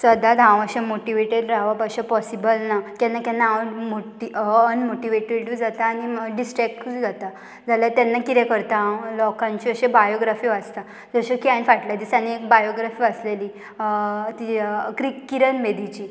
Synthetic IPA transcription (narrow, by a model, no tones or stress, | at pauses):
səd̪ʱad̪ʱãʋ̃əɕẽmoʈiʋeʈeɖɾaʋapəɕepɔsibəlnakanːakanːaaʋəmoʈiənmoʈiʋeʈeʈd͡zat̪aːñiɖisʈɾɛk̚ʈd͡zat̪a | d͡zʱaljat̪ɛnːakit̪ɛ̃kəɾt̪ãlɔkãɲt͡ɕiəɕẽbajoɡɾafiːʋad͡zt̪a | d͡zəɕəkianfaʈljad̪iːsanːiek̚bajoɡɾafiːəsleliː | t̪ikɾikːiɾənʋed̪it͡ɕiː